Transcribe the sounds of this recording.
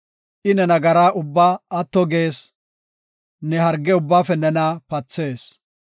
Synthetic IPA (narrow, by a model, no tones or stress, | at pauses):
ʔɪnɛnɐɡɐɾaːʔʊbːaːɐt̪ːɔɡe̞ːs | nɛɦɐɾɡɛʊbːaːfɛnɛnaːpɐt͡sːe̞ːs